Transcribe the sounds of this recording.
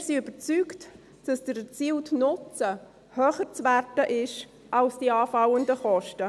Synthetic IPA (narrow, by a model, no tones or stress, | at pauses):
siʏb̥ət͡syːkt | d̥ɑsd̥əɾɛt͡siːltnʊt͡sə | høːχəɾt͡sværdəʔɪʃ | ʔɑlsd̥iːɑːfɑwəndəχɔʃtə